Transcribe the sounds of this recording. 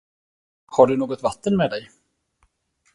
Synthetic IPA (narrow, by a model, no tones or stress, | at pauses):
haɖɵnoːɡɔt̪vat̪ːənmɛːd̪ɛj